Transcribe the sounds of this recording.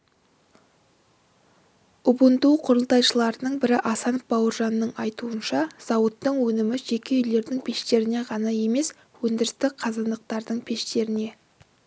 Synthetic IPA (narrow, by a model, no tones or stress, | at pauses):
ʊbənt̪uqʰʊɾəlˠt̪ɑjʃəlˠɑɾənəɴbɪɾɪʔɑsɑnəp̚bɑwəɾʒɑnːəɴɑjt̪uənʃɑz̥ɑwət̪ːəɴwɵnɪmɪʒe̞kʲe̞ʏjle̞ɾd̪ɪŋpʰe̞ʃt̪e̞ɾɪne̞ʁɑnɑje̞me̞s | wɵnd̪ɪɾɪst̪ɪqʰɑzɑnd̪əq̚t̪ɑɾd̪əɴpʰe̞ʃt̪e̞ɾɪne̞